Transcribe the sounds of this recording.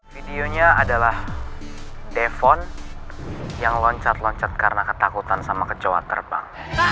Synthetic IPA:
fideoɲaadalah | defɔn | jaŋlɔɲt͡ʃat̪lɔɲt͡ʃat̪̚kaɾənakə̥t̪akut̪ansamakət͡ʃowa̰t̪ə̰rba̰ŋ

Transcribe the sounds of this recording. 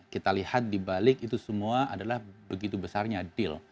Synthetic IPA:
kit̪alihat̪̚dibalɪkit̪usəmuaʔadalahbəɡit̪ubəsarɲaːdɪl

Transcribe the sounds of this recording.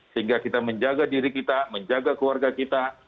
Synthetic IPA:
səɦiŋɡakit̪aməɲd͡ʒaɡadiɾikit̪aməɲd͡ʒaɡakəluwarɡakit̪a

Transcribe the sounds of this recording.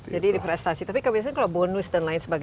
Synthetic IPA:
d͡ʒadidipɾɛst̪asit̪apikəbias̬aɲkalawbonust̪ənlaɪnsəbaɡ

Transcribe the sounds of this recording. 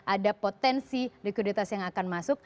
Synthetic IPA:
ʔadapot̪ɛnsirikwidit̪asjaŋakanmasʊk̚

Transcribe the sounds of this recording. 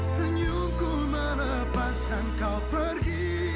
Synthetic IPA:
səɲu | ku | manə | paskankawpəɾɡi

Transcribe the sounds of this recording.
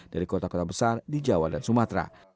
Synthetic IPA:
d̥aɾikɔt̪akɔt̪abəsardid͡ʒawadansumat̪ɾa̰

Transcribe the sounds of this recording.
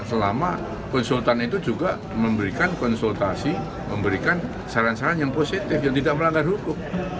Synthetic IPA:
səlama̰ | kɔnsult̪anit̪ud͡ʒuɡa | məmbəɾikankɔnsult̪asi | məmbəɾikan | saɾansaɾanjaŋposit̪ɪfjaŋt̪idaʔ̚məlaŋɡarhukʊm̚

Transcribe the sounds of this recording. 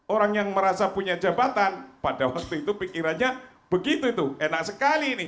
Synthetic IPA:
oɾaŋjaŋməɾasapuɲad͡ʒabat̪anpadawak̚t̪uit̪upikiɾanɲa | b̥əɡit̪uit̪uenak̚səkalinɪ

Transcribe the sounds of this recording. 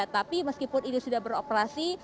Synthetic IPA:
t̪apiməskipʊninisudahbəɾopəɾasi

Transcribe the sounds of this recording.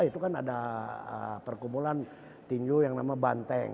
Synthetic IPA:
it̪ukana̰daə̰pərkumpulan | t̪iɲd͡ʒujaŋnamabant̪ɛŋ

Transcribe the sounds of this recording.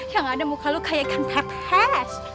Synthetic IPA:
jaŋadamukʰalokʰajakʰant̪ʰakhɛs

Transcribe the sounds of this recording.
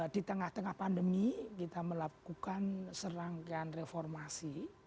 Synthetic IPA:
dit̪əŋaht̪əŋahpandəmikit̪aməlakukansəɾaŋkanrefɔrmasi

